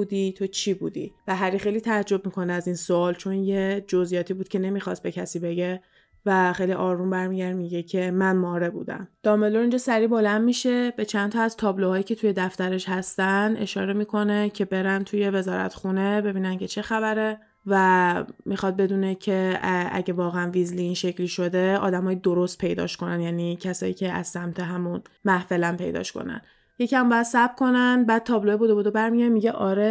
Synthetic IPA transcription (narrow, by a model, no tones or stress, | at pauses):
ud̪it̪ʰot͡ʃʰiːbuːd̪ḭvæɦæɾiːxejliːt̪ʰææd͡ʒːo̞b̚miːkʰo̞neæzinsoɒːlt͡ʃʰo̞njed͡ʒo̞zijɒːt̪ʰibuːd̪̥̚cʰʲe̞ne̞miːxɒst̪̚be̞cʰæsiːbe̞ɟe | væχxejliʔɒːɾumbæɾmiɟæɾd̪miɟecʰe̞mænmɒːɾe̞bṵːd̪æ̰md̪̥ɒːmeloɾind͡ʒɒsæɾiːbo̞lænd̪miʃe̞bet͡ʃʰænt̪ʰɒæzt̪ʰɒːblohɒːiːcʰe̞t̪ʰuje̞d̪æft̪æɾe̞ʃhæst̪ænd̪ʔe̞̰ʃɒ̰ːɾe̞miːkʰo̞ne̞cʰe̞be̞ɾænt̪ʰuje̞ve̞zɒːɾæ̰t̪xune̞be̞biːnæncʰe̞t͡ʃʰe̞xæbæɾe | væmixɒd̪̚be̞d̪uːne̞cʰe̞æ̰ɟevɒːɣeænvizliːnʃecʰliʃo̞d̪e̞ɒ̰ːd̪æmɒːjid̪o̞ɾost̪̚pʰe̞jd̪ɒ̰ːʃko̞nænd̪jæːnicʰæsɒ̰ːiːcʰe̞æ̰z̥sæmt̪ʰe̞ɦæmunmæhfe̞læmpʰe̞jd̪ɒ̰ʃko̞̰næ̰n | je̞cʰʲæmbɒːjæd̪̥sæbkʰo̞nænd̪bæːd̪̥̚t̪ʰɒːbloebod̪obod̪obæɾmijæɾmiɟeʔɒːɾe